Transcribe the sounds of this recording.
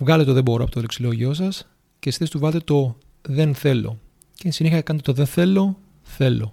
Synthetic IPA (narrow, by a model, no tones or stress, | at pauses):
vɣɐleet̪oðebo̞ɾoɐpo̞t̪oleksilo̞ʝio̞sɐs | cesi̥θesi̥t̪uvɐlt̪et̪o̞ | ðe̞nθe̞lo̞̰ | cesiniçɐkɐnt̪et̪oðenθe̞lo̞ | θe̞lo̞̰